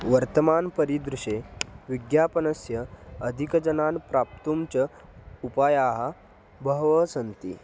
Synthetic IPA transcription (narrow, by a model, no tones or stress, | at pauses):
ʋəɾt̪əmanpəɾid̪ɾuɕeʋiɡjapənəsjəːd̪ʱikəd͡ʑənanpɾap̚t̪umt͡ɕə | upajaɦa | bʱəɦʋəsənt̪ḭː